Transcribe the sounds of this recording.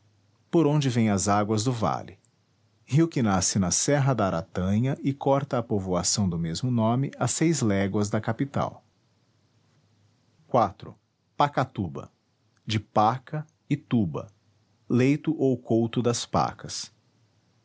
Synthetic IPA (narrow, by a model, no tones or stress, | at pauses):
poɾõnd͡ʒɪvẽj̃ɐzaɡwɐzd̪ʊva̰lɪ | hiwkɪnasɪnɐsɛɦɐd̪ɐːɾat̪ɐ̃ɲɐʔɪkɔɾt̪ɐːpovoasɐ̃w̃d̪ʊmezmʊnõmɪ̰ɐsejzlɛɡwɐzd̪ɐkapit̪a̰w | kwat̪ɾʊ̰ | pakat̪ubɐ̰ | d͡ʒɪpakɐ | ɪt̪ubɐ̰ | lejt̪ʊʔowkowt̪ʊd̪ɐspa̰kʰɐs